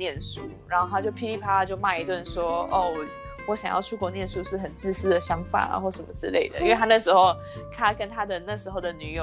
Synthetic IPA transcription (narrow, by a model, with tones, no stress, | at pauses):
njɛ˥˨nʂu˥˩ɻa˨˧˦nxo˥˧t̪ʰa˧˥t͡ɕjo˥˩ʊpʰi˥li˥˩pʰa˥˦t͡ɕjo˥˧ʊma˥˩ɪi˧t̪wa˥˨nʂwɔ˥o̰˥˩w | wɔ˧˥ɕɑ˨ŋjɑ̰˥˧ʊt͡ɕʰu˥˧kwɔ˥˧njɛ˥˧nʂu˥˧ʂɻ̩˥˩xə˨˩nt͡sɹ̩˥˧sɹ̩˥d̪ə˨ɕjɑ˥ŋfa̰˨˩n̰˨xwɔ˥˩ʂə˨˩nmə˦t͡sɻ̩˥˧le˥˩ɪd̪ə̰˩ḭ˥nwe˥˩ɪtʰa˥n˥˩ʂɻ̩˧˥xo˥˧˩ʊ | t̪ʰa˥kə˦nt̪ʰa˥d̪ə˨na˥˩ʂɻ̩˧˥xo˥˩ʊd̪ə˩ny˨˥jo˨˩